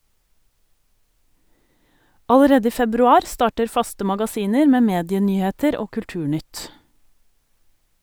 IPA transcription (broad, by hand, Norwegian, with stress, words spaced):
ɑləˈɾeːd ˈiː fɛbɾʉˈɑːɾ ˈstɑːʈəɾ ˈfɑstə mɑɡɑˈsiːnəɾ ˈmeː ˈmeːdɪəˌnyːheːtəɾ ˈoː kʉlˈʈʉːˌɳʏt